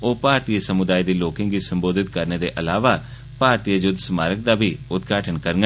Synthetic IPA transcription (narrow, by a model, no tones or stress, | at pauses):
oːpaːɾt̪iːəsəmʊd̪aːiːd̪iːloːkɪ̃ŋɡɡiːsəmboːd̪ɪt̪kəɾneːd̪eːʔəlaːʋaː | paːɾt̪iːəd͡ʒʊd̪səmaːɾək̚d̪aːbʱiːʊt̪ɡʱaːʈʰənkəɾɡə